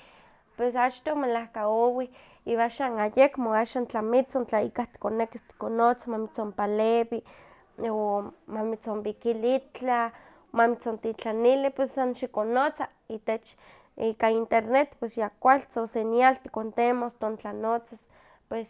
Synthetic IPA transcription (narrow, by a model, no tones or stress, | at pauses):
pwesat͡ʃt̪omelahkaowi | iwaʃanajekmoaʃaːnt͡ɬamit͡sont͡ɬaikaht̪i̥konekist̪i̥konot͡samamit͡sompalewi | omamit͡sombikilit͡ɬa | mamit͡sont̪it͡ɬanilipwesːanʃikonot͡sa | iːt̪et͡ʃ | ikaint̪eɾnet̪pwesjakʷalt͡sosenjalt̪i̥kont̪emost̪ont͡ɬanot͡sas | pwes